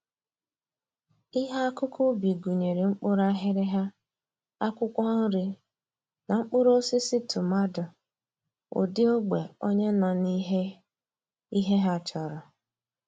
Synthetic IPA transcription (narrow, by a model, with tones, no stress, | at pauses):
i˦ɦa˦a˦kʊ˦kʰʊ˦bi˨ɡu˨ɲe˨ɾe˨ŋ͡m̩˦k͡pʊ˦ɾa˦ɦɪ˦ɾɪ˦ɦa˦ | a˦kʷʊ˦kʷɔ˦n̩˦ɾɪ˦ | na˨ŋ͡m̩˦k͡pʊ˦ɾo˦sɪ˦sɪ˦tʊ˨ma˦dʊ˨ | o̰˨dɪ˦o˦ɡ͡be˨o̰˦ɲe˦na˨ni˦ɦe˦ | i˦ɦe˦ɦa˦˨t͡ʃɔ˨ɾɔ˨